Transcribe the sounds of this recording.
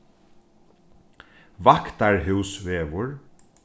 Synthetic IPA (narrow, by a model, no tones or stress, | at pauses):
ʋakt̪aɹɦʉwsʋeːʋʊɹ